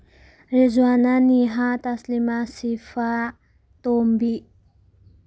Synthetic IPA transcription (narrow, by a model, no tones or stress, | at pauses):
ɾizwananiɦat̪aslimasifa | t̪ombi